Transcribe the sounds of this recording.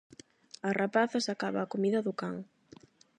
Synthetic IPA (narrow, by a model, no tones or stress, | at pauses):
ɐrapaθɐsakaβaːkomiðɐðʊkaŋ